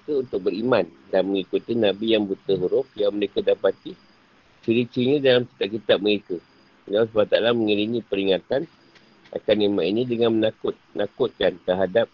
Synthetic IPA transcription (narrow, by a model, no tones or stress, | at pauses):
kaunt̪ʊk̚bəɾiman | danməŋikut̪inãbijaŋbut̪əɦuɾʊf̚jaŋməɾekadapat̪i | t͡ʃiɾit͡ʃiɲãdalamki̥t̪ap̚kit̪ap̚məɾeka | əlawsbat̪alamə̃ŋiɾinĩpəɾiŋat̪an | ʔa̰kanemãnʔinĩdəŋanmənakʊt̪̚nakʊt̪̚kant̪əɾɦadap̚